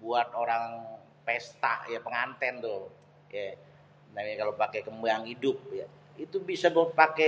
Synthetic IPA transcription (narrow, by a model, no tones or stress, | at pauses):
buat̪̚oɾaŋ | pɛst̪a̰ʔjapəŋant̪ɛnt̪ʊ | ja | ənt̪aŋɲakalopakekəmbaŋidʊp̚ja | it̪ubisabəpakɛ